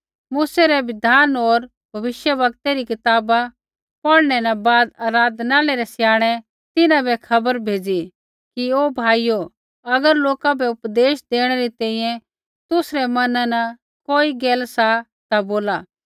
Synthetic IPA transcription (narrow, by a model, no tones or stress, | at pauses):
muːsɛɾɛʋɪd̪ʱaːnoːɾ | bʱɐʋɪʃjəʋɐkt̪ɛɾikɪt̪aːba | pɐɽñɛnɐbaːd̪aːɾaːd̪ʱnaːlɛɾɛsjaːɽ̃ɛ | t̪ɪnãbɛkʰɐbəɾbʱeːd͡zi | kioːbʱaːijo | ɐɡəɾloːkabʱɛʊpd̪eːʃd̪eːɽ̃ɛɾit̪ɛ̃ːĩjɛ̃ | t̪ʊsɾɛmɐnãnɐ | koːiɡeːlsa | t̪aboːlaː